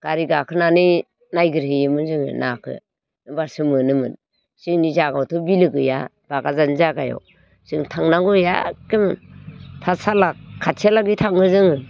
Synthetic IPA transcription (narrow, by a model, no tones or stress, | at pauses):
ɡ̥aɾiɡakʰɯnani | najɡɯɾhɯjɯmɯnzɯŋɯ̰nakʰɯ̰ | nɯbaɾsɯmɯnɯmɯn | siŋnizaɡawtʰɯbilɯɡɯja̰ | b̥aɡazanzaɡajɔ̰ | sɯŋtʰaŋnaŋɡuja̰kemɯntʰasalakʰːatʰalaɡitʰaŋɯzɯŋɯ